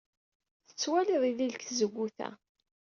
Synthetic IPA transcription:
θə̥t͡sːwæliðˤiðilkzəɡʷːuθæ̰

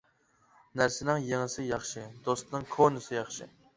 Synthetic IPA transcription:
næɾsɪnɪŋjeŋɪsɪjɑχʃɨd̪̥ost̪nɨŋkʰonɨsɨjɑχʃɨ

